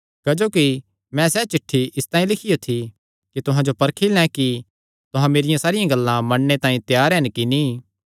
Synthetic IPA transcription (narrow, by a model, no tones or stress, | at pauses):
kɐd͡ʒoːki | mɛ̃sɛːt͡ʃɪʈʰːiɪst̪ãːĩlɪkʰijot̪ʰi | kit̪ʊɦãd͡ʒopɐɾkʰilɛ̃ki | t̪ʊɦãmeːɾɪjãsaːɾɪjãɡɐlːãmɐɽnet̪ãːĩt̪jaːɾɛnkini